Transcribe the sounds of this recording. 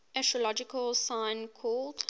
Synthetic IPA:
ʔæʃəlɔd͡ʒɪkəlˠsãɪ̃nkʰɔːld̥

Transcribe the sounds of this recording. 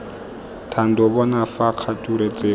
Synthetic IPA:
tʰan̩dɔbɔnafaq͡χʰatʼuɾet͡sʼeː

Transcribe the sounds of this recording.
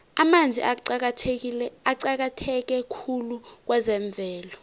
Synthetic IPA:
amand͡zʱiʔa | aǀak̬atʰɛk̬ɛkʰuluk̬wɛzɛɱb̪vʱɛːlɔ

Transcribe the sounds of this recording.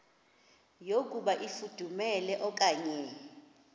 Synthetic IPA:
jokʼuɓaʔifud̥ʱumɛlɛʔɔkʼaːɲɛ

